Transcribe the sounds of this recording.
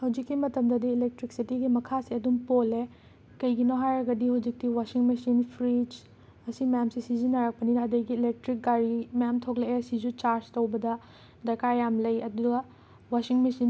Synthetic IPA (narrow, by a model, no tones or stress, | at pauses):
hɐwd͡ʒikːimɐtɐmdɐdiːlek̚tɾik̚sitiɡimɐkʰasiɐdumpole | kɐjɡinoɦajɾɐɡɐdihɐwd͡ʒik̚tiwasiŋmesinpʰɾid͡ʒ | ɐsimjamsisizinɐɾak̚pɐnidadɐjɡiːlek̚tɾik̚ɡaɾimjamtʰokleeɐsizut͡ʃaɾztowbɐdɐ | dɐkaɾjamlɐjɐduɡɐ | wasiŋmesin